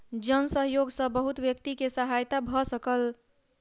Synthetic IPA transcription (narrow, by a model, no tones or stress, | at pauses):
d͡ʒənsəɦjoɡsə̃bəɦut̪bjəkt̪ikesəɦajt̪abʱɔsəkəl